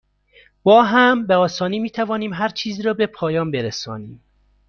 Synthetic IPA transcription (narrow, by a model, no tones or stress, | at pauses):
b̥ɒːɦæmbeɒːsɒːniːmiːt̪ʰævɒːniːmɦæɾt͡ʃʰiːzɾɒːbe̞pʰɒːjɒːnbe̞ɾesɒːniːm